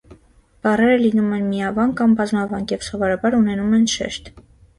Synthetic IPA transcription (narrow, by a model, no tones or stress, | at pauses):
b̥ɑrɛɾəlinumɛnmiɑvɑnkɑmbɑzmɑvɑŋkjɛvsɔvɔɾɑbɑɾunɛnumɛnʃɛ̰ʃt̪